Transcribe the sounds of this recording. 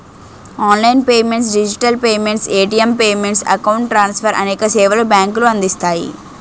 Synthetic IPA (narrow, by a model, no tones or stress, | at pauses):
aːnlɐjnpeːmeɳʈs̬ɖid͡ʒiʈɐlpeːmeɳʈseːʈiempeːmeɳʈsɐ̰kɐwuɳʈʈːɾaːnsfɐɾʔɐ̰neːkɐseːʋɐlubaːŋkuluɐ̃nd̪ist̪aːjḭ